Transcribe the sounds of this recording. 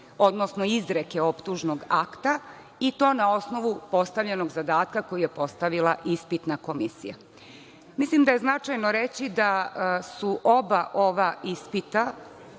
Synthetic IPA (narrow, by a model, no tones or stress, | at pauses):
o̞d̪no̞sno̞izɾeke̞opt̪uʒnoɡakt̪a | it̪o̞ːnao̞sno̞ʋupo̞st̪aʋʎe̞no̞ɡzad̪aːt̪kako̞jijepo̞st̪aʋilˠaʔispit̪nako̞misḭja̰ | mislimd̪ajeznat͡ʂajnoɾet͡ɕid̪asuʔo̞baʔo̞ʋaispit̪a